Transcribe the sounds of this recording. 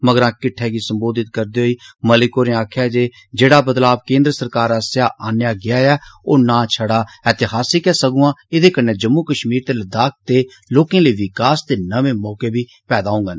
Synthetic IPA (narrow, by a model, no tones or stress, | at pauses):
məɡəɾãːkɪʈʰːɛːɡiːsəmboːd̪ɪt̪kəɾd̪eːɦoiːməlɪkoːɾẽːaːkʰjaːd͡ʒeː | d͡ʒeːɽaːbəd̪laːbkẽːnd̪ɾəsəɾkaːɾəsjaːʔaːnjaːɡɪaːɛːoːnãːt͡ʃʰəɽaːɛːt̪ɪɦaːsiːkɛːsəɡũːãːɪd̪eːkəneːd͡ʒəmːuːkəʃmiːɾt̪eːld̪aːk̚ʰt̪eː | loːkẽːliːʋɪkaːst̪eːnəʋẽːmɔːkeːbʱiː | pɛːd̪aːũːŋɡən